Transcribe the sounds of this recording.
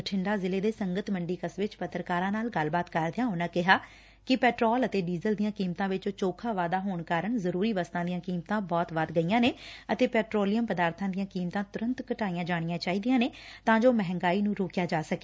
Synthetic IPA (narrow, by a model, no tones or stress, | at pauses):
əʈʰɪɳɖaːzɪleːd̪eːsəŋɡət̪məɳɖiːkəsʋɪt͡ʃpət̪ɾəkaːɾãːnaːlɡəlbaːt̪kəɾd̪ɪjãːɦʊnãːkɪɦaː | kɪpɛːʈɾɔːlət̪eːɖiːzəld̪ijãːkiːmt̪ãːʋɪt͡ʃːt͡ʃoːkʰãːʋaːd̪aːɦoːɳkaːɾəɳzəɾuːɾiːʋəst̪ãːd̪ijãːkiːmt̪ãːbɔːt̪ʋad̪ɡəijãːneːət̪eːpɛːʈɾoːlijəmpəd̪aːɾt̪ʰãːd̪ɪjãːkiːmt̪ãːt̪ʊɾə̃nt̪kəʈaːijãːd͡ʒaːɽ̃ɪjãːt͡ʃaːiːd̪ijãːneːt̪ãːd͡ʒoːmɛɦɛ̃ŋɡaːiːnũːɾoːkjaːd͡ʒaːsəke̥ː